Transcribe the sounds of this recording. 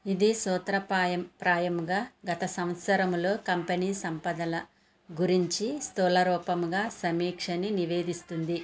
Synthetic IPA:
id̪isɔːt̪ɾɐpaːjɐmpɾaːjɐmɡaːɡɐt̪ɐsɐm̃t̪sɐɾɐmlo̞ːkɐmpeniːsɐmpɐd̪ɐlɐ | ɡuɾiɲt͡ʃist̪ɔːlɐɾɔːpɐmɡaːsɐmiːkʂɐniniʋe̞ːd̪ist̪und̪i

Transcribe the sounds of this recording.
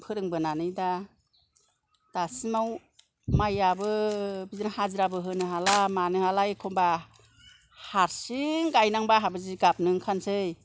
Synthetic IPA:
pʰɯɾɯŋbɯnanɯjda | d̥asimaw | majabɯbizɯnahazɯɾabɯɦɯnɯɦalamanɯhalaekʰɔmba | haɾsiŋɡajnaŋbaɦabɯziɡap̚nɯŋkʰansɯj

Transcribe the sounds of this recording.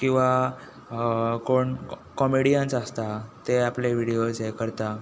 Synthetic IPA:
kĩw̃ʋa | koɳkɔmiɽijənsast̪at̪eapleʋiɽiod͡zejkəɾt̪a

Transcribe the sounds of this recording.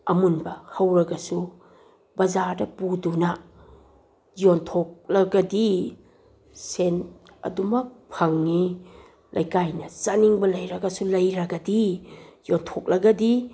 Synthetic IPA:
ɐmunbɐhɐwɾɐɡɐsu | bɐzaɾdɐpudunɐ | jontʰok̚lɐɡɐdi | sen | ɐ̰dumɐk̚pʰɐŋːi | lʔɐ̰jkajnɐsɐniŋbɐlɐjɾɐɡɐsulɐjɾɐɡɐdijontʰok̚lɐɡɐdi

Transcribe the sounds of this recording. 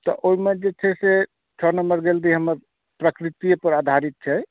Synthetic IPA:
t̪ɔ̰ʔoimed͡ʒet͡ʃʰɛse | t͡ʃʰɔnəməɾɡeld̪iɦəməɾ | pɾəkɾit̪ijpəɾad̪ʱaɾit̪̚t͡ʃʰɛ

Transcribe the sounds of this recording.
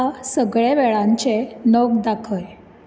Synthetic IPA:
asəɡɭeʋɛɭãɲt͡ɕenəɡd̪akʰəj

